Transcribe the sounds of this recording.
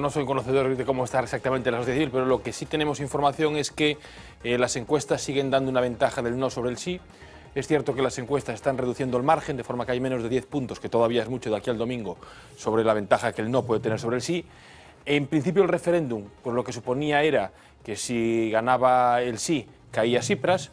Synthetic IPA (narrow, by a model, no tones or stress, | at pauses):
noso̞jko̞noθeð̞oɾðeko̞moest̪aɾeksakt̪amẽnt̪elasoθjaθiβilpe̞ɾolo̞kesit̪enẽ̞mosiɱfo̞ɾmaθjo̞ŋe̞ske | lase̞ŋkwe̞st̪asːiɣe̞nd̪and̪ounaβ̞e̞nt̪axaðe̞lno̞so̞β̞ɾelsi | esθjeɾt̪o̞ke̞lase̞ŋkwe̞st̪asest̪anreðuθje̞nd̪oelmaɾxend̪e̞fo̞ɾmakeajmeno̞zðe̞ðje̞θpunt̪o̞ske̞t̪oðaβiae̞zmut͡ʃoðakiald̪o̞mĩŋɡo | so̞β̞ɾe̞laβe̞nt̪axakeelno̞pwe̞ðet̪eneɾsoβɾelsi | empɾin̟θipjolre̞fe̞ɾe̞nd̪umpwoezlo̞ke̞s̬upo̞niae̞ɾa | ke̞siɣanaβaelsi | kaiasipɾas